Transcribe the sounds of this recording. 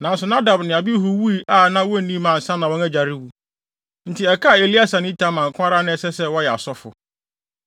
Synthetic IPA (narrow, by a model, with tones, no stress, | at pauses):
nã˨n̩˦sʊ˨nã˦da˨bnɪ̃˨a˨bi˦ɦu˨wu˦i˨ʔa˦˨nã˦wɔ˦˨nĩ˦mã˨n̩˨sã˦nã˨wɔ̃˦næ˦d͡ʑa˨ɾɪ˦wu˨˦ | n̩˨tʰɪ˨ɛ˨kʰa˦˨e˨li˦a˦sã˨nɪ̃˦tʰã˦mã˨ŋ˨kʰʷʊ̃˦a˦ɾa˦nɪ̃˦sɛ˦sɛ˦wɔ˦jɛ˨a̰˨sɔ˦fʊ̰˨